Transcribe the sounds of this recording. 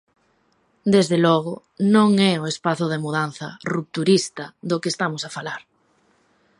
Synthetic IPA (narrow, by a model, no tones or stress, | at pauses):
d̪ezðelɔɣ̞ʊ | nõŋɛʊespaθʊðemuðanθɐ̰rup̚t̪uɾist̪ɐðʊkest̪amʊsafalaɾ